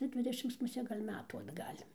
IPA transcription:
nʊ ˈdʲʋʲɪdʲɛʃʲɪms mʊˈsʲeː ɡɐlʲ ˈmʲæːtuː ɐdˈɡɐlʲ

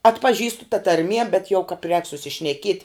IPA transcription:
ɐtpɐˈʒʲiːstʊ tɐ tɐrʲˈmʲiɛ bʲɛt jɛʊ kɐp rʲɛːk sʊsʲɪʃʲnʲɛˈkʲiɛtʲɪ

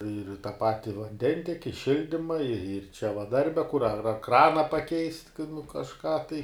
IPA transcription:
ɪr tɐ ˈpɑːtʲɪ ʋɐnʲˈdʲɛnʲtʲɛkʲɪ ˈʃʲɪlʲdʲiːmɐ ɪr ɪr t͡ʃʲɛ ʋɐ ˈdɐrʲbʲɛ kʊr ɐr ɐr ˈkrɑːnɐ pɐˈkʲɛɪsʲtʲ kɐɪ nʊ kɐʃˈkɑː tɐɪ

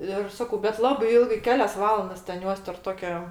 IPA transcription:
ɪr ˈsɑːkɐʊ bʲɛt ˈlˠɑːbɐɪ ˈɪlˠɡɐɪɜ ˈkʲæːlʲɛs ˈʋɑːlˠɐndɐs tʲɛn ˈjuɔs tʲɛrp ˈtoːkʲoː

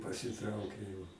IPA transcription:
pɐsʲɪˈtrɐʊkʲeː jɛʊ

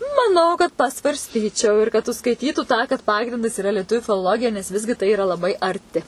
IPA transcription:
mɐˈnɐʊ kɐt pɐsʋɐrʲsʲˈtʲiːt͡ʃʲɛʊ ɪr kɐt ʊʃskɐɪˈtʲiːtuː tɑː kɐt ˈpɑːɡrʲɪndɐs ɪˈrɐ lʲiɛˈtʊʋʲʊ fʲɪlˠoːˈlˠoːɡʲɪjɛ nʲɛs ˈʋʲɪzʲɡʲɪ tɐɪ ɪˈrɐ lˠɐˈbɐɪ ɐrʲˈtʲɪ

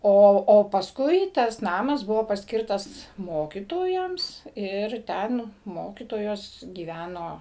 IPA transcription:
ˈoː oː pɐsˈkʊɪ ˈtɐs ˈnɑːmɐs ˈbʊʋoː pɐsʲˈkʲɪrtɐs ˈmoːkʲiːtoːjɛms ˈɪr ˈtʲɛn ˈmoːkʲiːtoːjoːs ɡʲiːˈʋʲænoː

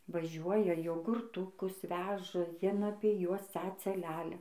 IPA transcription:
ʋɐˈʒʲuɔjɛ joːɡʊrˈtʊkʊs ˈʋʲæːʒɐ ˈjiɛn ˈɑːpʲiɛ ˈjuɔs ˈt͡sɑːt͡sɐ ˈlʲælʲɛ

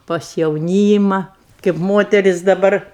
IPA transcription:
pɐs jɛʊˈnʲiːmɐ kʲeːp ˈmoːtʲɛrʲɪs dɐˈbɐr

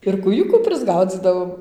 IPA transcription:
ɪr kuːˈjʊkuː pʲrʲɪzˈɡɐʊd͡zʲiːdɐʋoːm

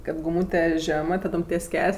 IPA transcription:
kɐt ɡʊˈmuːtʲɛ ˈʒʲæːmɜ tɐˈdoːm tʲiɛs ˈkʲæːlʲeːsʲ

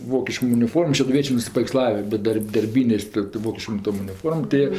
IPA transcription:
ˈʋoːkʲɪʃkoːm ʊnʲɪˈfoːrmoːm ʃʲɛdʊˈʋʲiɛt͡ʃʲeː nʊsʲɪpɐʋʲɛɪkˈslˠɑːʋʲɪ bʲɛt ˈdɐrʲ dɐrʲˈbʲiːnʲeːs tɜ tɜ ˈʋoːkʲɪʃkoːm ˈtoːm ʊnʲɪˈfoːrmoːm tɜ ˈjiɛ

